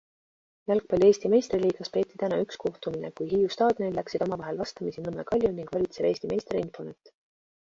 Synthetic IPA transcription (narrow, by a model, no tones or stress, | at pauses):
jælk̚pɑlʲieːst̪ime̞jst̪riliːɡ̥ɑspe̞ːt̪ːit̪ænɑyksko̞ht̪uminḛkujɦiːjust̪ɑːd̪̥jonid̪læksid̪̥o̞mɑvɑɦe̞lvɑst̪ɑmisinɤmːḛkɑlʲjuniŋɡ̥vɑlʲit̪se̞ve̞ːsʲt̪ime̞jst̪reinfo̞net̪ː